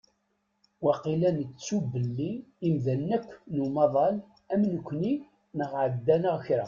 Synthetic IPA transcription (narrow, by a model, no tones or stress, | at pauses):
wæqilænət͡sːubəlːiːmðænːækʷːnumɑðˤɑl | æmnəkʷːni | nəʁʕəd̪ːænəʁçɾæ̰